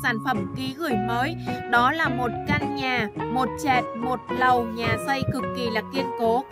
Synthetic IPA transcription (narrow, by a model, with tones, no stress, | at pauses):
saː˧˩nfə˧˩mki˨˦ɣɨ˧˩əjməː˨˦jɗɔ˨˦laː˨˩mo˨˩t̚ka˧nɲaː˨˩mo˨˩t̚t͡ɕɛ˨˩t̚mo˨˩t̚lə˨˩wɲaː˨˩sə˧jkɨ˨˩kːi˨˩laː˨˩ki˧ənko˨˦